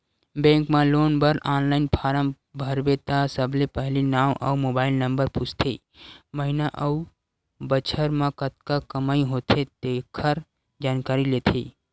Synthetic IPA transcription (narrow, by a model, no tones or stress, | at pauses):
bẽːŋkmãloːnbəɾaːnlaːɪnpʰaːɾəm | bʱəɾbet̪asəblepəɦlinaːwʔə̰umoːbaːɪlnə̃mbəɾput͡ʃʰt̪ʰe | məɦɪnaʔəu | bət͡ʃʰəɾmãkət̪̚kakəmaːĩɦoːt̪ʰed̪eːkʰəɾ | d͡ʒaːnkaːɾileːt̪ʰḛː